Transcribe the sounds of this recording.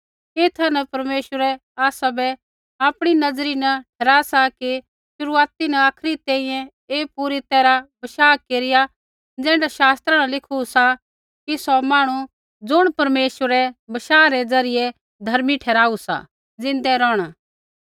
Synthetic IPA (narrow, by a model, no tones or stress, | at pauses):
eːt̪ʰɐnɐpɐɾmeːʃwəɾɛaːsabɛ | aːpɽ̃inɐd͡zɾinɐʈʰɛːɾaːsaki | ʃʊɾuaːt̪inɐaːkʰɾit̪ɛ̃ːĩjɛ̃ | eːpuɾit̪ɛːɾabɐʃaːkeːɾɪja | d͡zɛ̃ːɳɖaʃaːst̪ɾanɐlɪkʰusa | kisɔmaːɽ̃u | d͡zʊɽ̃pɐɾmeːʃəɾɛbɐʃaːɾɛd͡zɐɾɪjɛ | d̪ʱɐɾmiʈʰɛːɾaːusa̰ | d͡zɪ̃nd̪ɛɾɔːɽ̃a